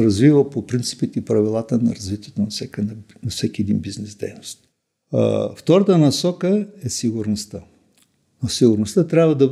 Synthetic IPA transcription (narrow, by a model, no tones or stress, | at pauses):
ɾɐzvivəpopɾint̪si̥pit̪ipɾɐvilˠat̪ənɐɾɐzvit̪iɛt̪onɐfsɛknnɐfsɛkʲiɛd̪ḭnbiznɛzd̪ɛ̰jnost̪̚ | ft̪ɔɾət̪ənɐsɔkəɛsiɡʊɾnost̪ə | nosiɡʊɾnost̪ət̪ɾʲabvəd̪ɐ